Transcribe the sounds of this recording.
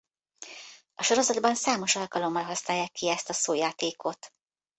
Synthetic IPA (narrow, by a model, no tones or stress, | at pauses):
ɒʃo̞ɾo̞zɒd̪bɒnsaːmo̞ʃɒlkɒlo̞mːɒlɦɒsnaːjːaːkːiɛst̪ɒsoːjaːt̪eːkʰo̞t̪